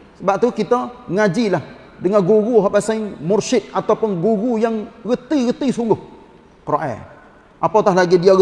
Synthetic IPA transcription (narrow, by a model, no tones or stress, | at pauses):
səbap̚t̪ukit̪əŋad͡ʒilah | dəŋanɡuɣuɦɔʔpasajmʊrsɪt̪̚at̪awpʊnɡuɣujaŋɣət̪iɣət̪isuŋɡʊh | kɾoʔɛ̰ | ʔapat̪aɦlaɡidiaɣə